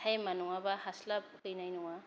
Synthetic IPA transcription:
ajmanuŋabahaslap̚kɯjnajnuŋa

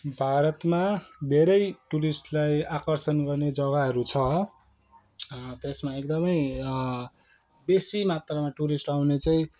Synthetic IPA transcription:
bʱaɾʌt̪mad̪ʱeɾʌjʈuɾisʈlajakʌrsʌnɡʌrned͡zʌɣaɦʌɾut͡sʰʌ | t̪esmaekd̪ʌmʌj | besimat̪ramaʈuɾisʈawnet͡saĩ

